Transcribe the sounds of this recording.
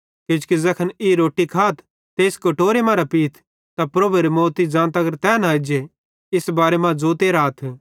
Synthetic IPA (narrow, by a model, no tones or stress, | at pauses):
kɪd͡ʒkizɐkʰəniɾoːʈːikʰaːt̪ʰ | t̪eːskɐʈoːɾemãːɾapiːt̪ʰ | t̪apɾɐbuɾemoːt̪id͡ʒãːnt̪ɐɡəɾt̪ɛːnaːd͡ʒe | ɪsbaːɾemãd͡zoːt̪eːɾaːt̪ʰ